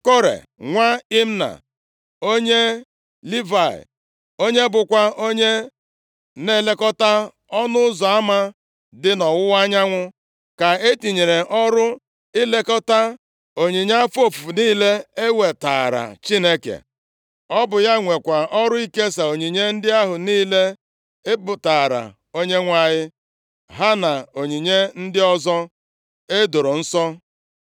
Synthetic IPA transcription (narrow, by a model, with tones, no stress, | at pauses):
ko˦ɾḛ˨ | ŋʷa˦i˦m̩˦na̰˨ | o˦ɲe˦ | li˦va˨ḭ˨ | o˦ɲe˦bʊ˨kʷa˦o˦ɲe˦ | ne˦˨le˦kɔ˦ta˦ | ɔ˦nʊ˦ʊ˦zɔ˨a˦ma˦ | dɪ˦nɔ˨wʊ˦wa˦ɲa˦ŋʷʊ˦ | ka˨e˦ti˨ɲe˨ɾe˨ʔɔ˦ɾʊ˦ | ɪ˦le˦kɔ˦ta˦ | o˨ɲi˨ɲ˦fo˦˨fu˨fu˨niː˦le˦e˦we˨ta̰ː˨ɾa̰˨t͡ʃi˦ne˦kḛ˨ | ɔ˦bʊ˨ja˦ŋʷe˨kʷa˨ɔ˦ɾʊ˦i˦ke˦sa˨o˨ɲi˨ɲe˦n̩˦dɪ˦a˦ɦʊ˨niː˦le˦ | ɪ˦bʊ˨ta˨ɾa̰˨ | o˦ɲe˦ŋʷa˨ɲɪ˦ | ɦa˦na˨o˨ɲi˨ɲe˦n̩˦dɪ˦ɔ˦zɔ˦ | e˦do˨ɾo˨n̩˦sɔ˦